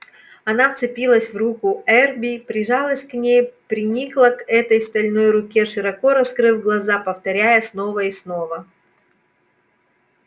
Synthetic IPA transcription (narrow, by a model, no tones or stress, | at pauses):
ɐn̪aft̪sɨpʲilˠəsʲvrukʊɛrbʲipɾʲɪʐɑlˠəsʲknʲejpɾʲɪnʲiklˠəkɛt̪əjst̪ɐlʲno̞jɾʊkʲe̞ʂɨɾɐko̞ɾɐskɾɨvɡlˠɐzapəft̪ɐɾʲæjəsno̞vəisno̞və